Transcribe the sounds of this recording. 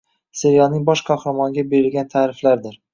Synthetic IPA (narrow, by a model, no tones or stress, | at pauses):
seɾjɒnɪŋbɒʃqʰɒhɾɑmɒŋɡʲabe̞ɾɪlɡʲant̪ʰaːɾɪflaɾd̪ɪɾ